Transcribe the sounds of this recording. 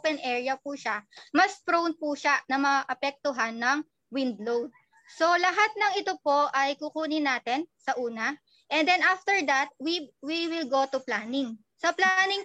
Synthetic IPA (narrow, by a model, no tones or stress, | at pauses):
pɛnʔɛɹjɐpuːʃamɐspɾown̚puʃanɐmɐaʔɐpɛk̚t̪ʊɦanːɐŋ | wɪnd̪̚lowd̪̚ | so̞lɐɦat̪̚nɐŋɪt̪opo̞ʔɐjkʊkuːnɪnaːt̪ɛnsɐʔuːnɐ | ʔɛnd̪ɛnʔaft̪ɛɹd̪ɐt̪̚wiwiwɪlɡot̪ʊplaːnɪŋ | sɐplanɪŋ